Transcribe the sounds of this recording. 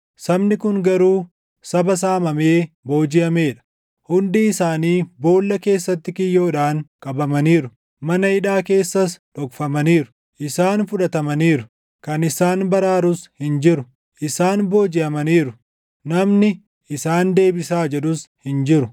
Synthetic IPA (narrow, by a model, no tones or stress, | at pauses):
sɐbnɪkʊŋɡɐɾuː | sɐbɐs̬aːmɐme̞ː | bo̞ːd͡ʒɪjɐme̞ːᶑɐ̥ | hʊnd̪iːɪsaːniːbo̞ːlːɐke̞ːsːɐt̪ːɪkɪjːo̞ːᶑaːŋkʼɐbɐmɐniːɾʊ | mɐnɐɪᶑaːke̞ːsːɐsᶑɔkfɐmɐniːɾʊ̥ | ʔɪsaːnfʊᶑɐt̪ɐmɐniːɾʊ | kɐnɪsaːnbɐɾaːɾʊshɪnd͡ʒɪɾʊ | ʔɪsaːnbo̞ːd͡ʒɪɐmɐniːɾʊ | nɐmnɪ | ɪsaːnd̪e̞ːbɪsaːd͡ʒɛɗʊshɪnd͡ʒɪɾʊ